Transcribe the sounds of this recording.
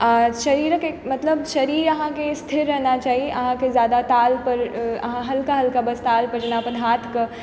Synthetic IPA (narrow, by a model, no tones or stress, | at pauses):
ʃɐɾiːɾəkemɐt̪ləbʃɐɾiːɾɐɦãkest̪ʰɪɾːɐɦnat͡ʃaːɦieʔɐɦãkezjaːd̪at̪aːlpɐɾɐ̰ɦãɦɐlkaɦɐlkabɐst̪aːlpɐd͡ʒnapɐd̪ʱɦaːt̪ʰkɐ